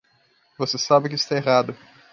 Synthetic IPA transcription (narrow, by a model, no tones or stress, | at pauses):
vosesabɪk̬ɪist̪aeɦad̪ʊ